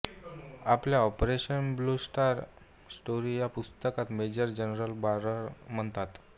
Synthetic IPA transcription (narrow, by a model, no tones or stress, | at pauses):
apljaɔpɾeɕənblusʈaɾ | sʈoɾijapust̪əkat̪med͡ʑəɾd͡ʑənɾəlbaɾəɾm̤əɳt̪at̪